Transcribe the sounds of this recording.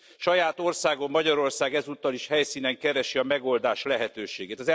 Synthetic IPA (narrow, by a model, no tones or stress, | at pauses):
ʃɒjaːt̪o̞rsaːɡo̞mːɒɟɒɾo̞rsaːɡɛzuːt̪ːɒliʃhɛjsiːnɛŋkɛɾɛʃiɒmɛɡo̞ld̪aːʃlɛɦɛt̪øːʃeːɡeːt̪ɒzɛ